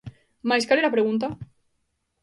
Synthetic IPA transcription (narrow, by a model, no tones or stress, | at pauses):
majskaleɾapɾeɣunt̪̬a